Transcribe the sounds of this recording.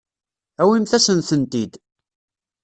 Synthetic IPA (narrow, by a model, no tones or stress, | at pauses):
æwimθæsənθənt̪id̪